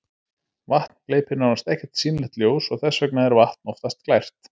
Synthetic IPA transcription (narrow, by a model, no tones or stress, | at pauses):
vaht̪nkleːjpɪɾnaɾvast̪ɛhcɛ̥t̪siːnlɪht̪ljoːwsɔɣθɛsːvœknaðɛɾvaht̪nɔwft̪ast̪klajr̥t̪